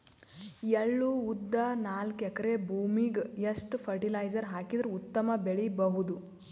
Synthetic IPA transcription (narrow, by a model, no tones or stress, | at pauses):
eɭːuud̪ːɐnaːlkɛkɐɾebʱuːmiɡjɐsʈpʰɐɾʈilajd͡ʒɐɾɦaːkid̪ɾuut̪ːɐmɐbeɭibɐɦud̪u